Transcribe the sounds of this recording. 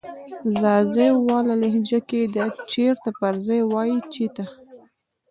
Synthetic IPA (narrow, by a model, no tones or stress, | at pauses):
zɑzəjwɑlalehd͡ʒaked̪ət͡ʃeɾt̪apaɾzajwɑjit͡ʃit̪a